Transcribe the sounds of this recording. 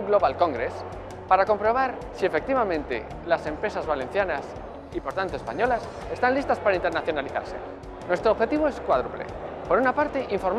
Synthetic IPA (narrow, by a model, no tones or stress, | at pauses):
ɡloβalkõ̞ŋɡɾes | paɾako̞mpɾo̞β̞aɾ | sie̞fe̞k̚t̪iβamẽ̞nt̪ḛ | lase̞mpɾe̞sazβalẽ̞n̟θjanas | ipo̞ɾt̪ant̪oespaɲo̞las | e̞st̪anlist̪aspaɾaint̪eɾnaθjo̞naliθa̰ɾse̞̰ | nwe̞st̪ɾoβxe̞t̪iβoe̞skwaðɾupɾḛpo̞ɾunapaɾt̪eʔiɱfo̞ɾm